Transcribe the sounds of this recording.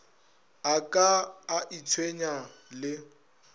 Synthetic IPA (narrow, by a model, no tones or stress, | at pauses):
akʼaːʔit͡sʰweɲalɪ